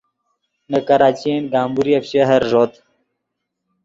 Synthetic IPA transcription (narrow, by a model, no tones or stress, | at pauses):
nəkɐɾaːt͡ɕienɡaːmbuɾiɐpɕeɦɐɾʐot̪